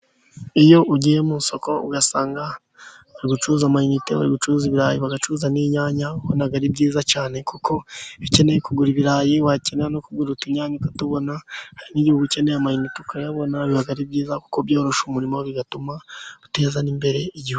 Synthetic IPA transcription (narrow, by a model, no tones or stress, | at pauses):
ijo̞ʔuɟijemuso̞ko̞ṵɡasaːŋɡa | βaɾiɡut͡ʃuzamainiteβa̰ɾiɡut͡ʃuuziβiɾaːjiβaɡat͡ʃuzaniɲaːɲahonaɡaɾibɟiːzacaːne̞kukʰo̞βice̞nejekuɡuɾiβiɾaːjiwace̞neanokuɡuɾutiɲaːɲakatuβo̞nahaɾiniɟihuɡuce̞nejamajiniteukajaβo̞naβihaɡaɾib̚ɟiːzaku̥kobjo̞ːɾo̞ʃumuɾimoβiɡatumaute̞ːzanimbe̞ɾe̞iɟihuɡu